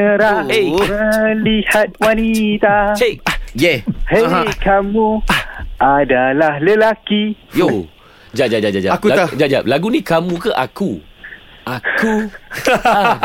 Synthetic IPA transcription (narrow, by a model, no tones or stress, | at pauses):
əɾaeəlihat̪̚wanit̪at͡ʃejɛheɦkamũ | ʔadalahləlakijo | d͡ʒad͡ʒad͡ʒad͡ʒad͡ʒakuad͡ʒad͡ʒap̚laɡunĩkamũkəʔaku | ʔaku